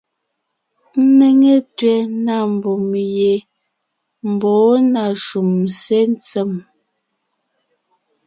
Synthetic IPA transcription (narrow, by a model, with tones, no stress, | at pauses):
n̩˦ne˨ŋe˦tɥɛ˨na˦˨m˨bo˨mje˨ | m̩˨bɔː˨˦na˨ʃu˨mse˦n˦t͡sɛ˨m